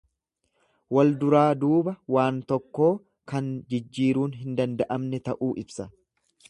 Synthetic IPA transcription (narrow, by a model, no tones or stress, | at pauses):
wɐld̪ʊɾaːd̪uːbɐwaːnt̪ɔkːo̞ː | kɐnd͡ʒɪd͡ʒːiːɾuːnɦɪnd̪ɐnd̪ɐʔɐmnɛt̪ɐʔuːʔɪbsɐ